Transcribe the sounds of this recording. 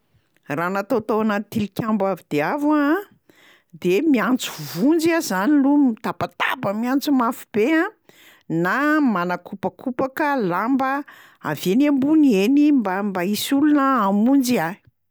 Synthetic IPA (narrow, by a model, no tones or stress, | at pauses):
ranat̪ot̪owanat̪ilkʲambavid̪̥eava | d̪emiant͡suvund͡zazanilumit̪apat̪abəmiant͡sumafu̥b̥eã | namanakupakʰupakəlambə | a̰venembunienimbambaisulunəamund͡ʒia